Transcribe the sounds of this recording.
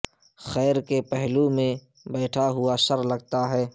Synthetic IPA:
xɛːɾkepɛɦlumẽ | bɛːʈʰaɦʊaʃɐɾlɐɡt̪aɦɛː

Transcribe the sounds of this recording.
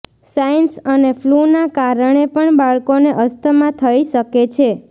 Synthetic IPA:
sajənsənefʰlunakaɾəɳ̃epəɳbaɭkoneʔəst̪ʰəmãt̪ʰəiʃəket͡ʃʰe

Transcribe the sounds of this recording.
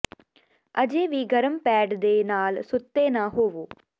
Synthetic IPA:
əd͡ʒeːʋiːɡəɾəmpɛːɖd̪eːnaːlsʊt̪ːeːnãːɦoːʋoː

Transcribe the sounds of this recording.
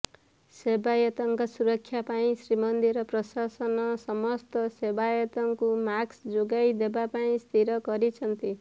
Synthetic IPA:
sebajʌt̪ʌŋkasuɾʌkʰːjapaĩsɾimʌnd̪iɾʌprʌsasʌnʌsʌmʌst̪ʌsebajɔt̪ʌŋkumaksd͡zoɡajd̪ebapaĩst̪ʰiɾʌkʌɾit͡sʰʌnt̪i

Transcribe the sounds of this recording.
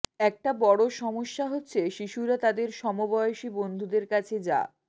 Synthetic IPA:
ɛk̚ʈabɔɽoʃɔmoʃːaɦotːɕʰeʃiʃuɾat̪ad̪eɾʃɔmobɔoʃibond̪ʱud̪eɾkat͡ɕʰed͡ʑa̰

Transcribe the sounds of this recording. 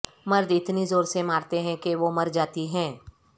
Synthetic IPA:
mɐɾd̪ɪt̪nizoːɾsemaːɾt̪eɦɛ̃keʋomɐɾd͡ʒaːt̪iɦɛ̃ː

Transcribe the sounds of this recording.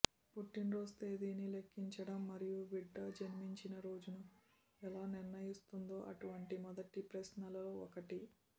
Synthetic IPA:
puʈːinɾo̞ːst̪eːd̪iːnilekːiɲt͡ʃɐɽɐmːɐɾijuʋiɖːɐd͡ʒɐnimiɲt͡ʃinɐɾo̞ːd͡ʒunu | ɛlaːniɾnɐjist̪und̪o̞ːʔɐʈuʋɐɳʈimɔd̪ɐʈipɾɐsnɐlɐloɔkɐʈi

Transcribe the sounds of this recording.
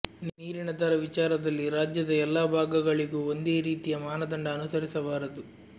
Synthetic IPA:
nniːɾiɳɐd̪ʱɐɾɐʋit͡ʃaːɾɐd̪ɐlːiɾaːd͡ʒjɐd̪ɐɛlːaːbʱaːɡɐɡɐɭiɡuond̪e̞ːɾiːt̪ijɐmaːnɐd̪ɐɳɖɐːnusɐɾisɐʋaːɾɐd̪u

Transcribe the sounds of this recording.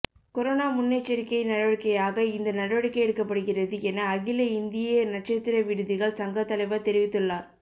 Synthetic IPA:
kɔɾonaːmʊnːet͡ʃːɐɾɪkːɐɪnɐɽɐʋɐɽɪkːɐjaːɣɐɪnd̪ɐnɐɽɐʋɐɽɪkːɐjɛɽɯkːɐpːɐɽɯɣɪrɐðɯɛnɐːɣɪlɐɪnd̪ɪjenɐʈ̚t͡ʃɐt̪ːɪɾɐʋɪɽɯðɪɣɐɭsɐŋɡɐt̪ːɐlɐɪʋɐt̪ɛɾɪʋɪt̪ːɯɭːaːɾ

